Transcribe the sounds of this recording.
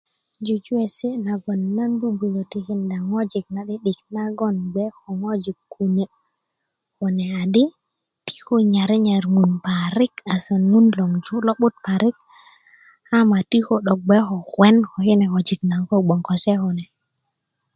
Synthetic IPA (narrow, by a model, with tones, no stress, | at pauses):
d͡ʒu˨d͡ʒu˦e˨si˦na˨ɡɔ˨nːa˦nbu˦bu˨lo˨ti˨ki˨nda˨ŋo˦d͡ʒi˨k̚na˨ɗi˦ɗi˨kna˦ɡɔ˦nɡ͡bɛ˦ho˨ŋo˦d͡ʒi˨kːu˨ne˨ | hɔ˨nɛ˨a˨di˦ | ti̥˦ho˦ɲa˨ɾi˦ɲa˨ɾŋu˨npa˨ɾi˦ka˨sa˨nŋu˦nlo˨ŋd͡ʒu˦lɔ˦ɓu˦t̚pa˨ɾi˦k̚ | a˦ma˨ti˦ko˦ɗɔ˨k̚ɡ͡bɛ˦xɔ˨wɛ˦nho˨hi˦nɛ˨ko˨d͡ʒi˨kna˨ŋko˦ɡ͡bɔ˨ŋkɔ˨sɛ˦hɔ˨nɛ˨